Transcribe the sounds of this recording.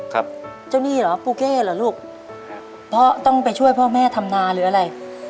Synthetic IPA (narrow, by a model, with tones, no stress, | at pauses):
kʰa˦˥p̚ | t͡ɕa˧˩wniː˥˩lɔː˩˦puː˧˩keː˥˩lɔː˨˩˦luː˥˩k̚ | pʰɔ˦˥t̪ɔ˥˩ŋpa˧jt͡ɕʰu˥˩əjpʰɔː˥˩mɛː˥˩t̪ʰa˧mnaː˧ɾɯː˩˦ʔa˧ɾa˧j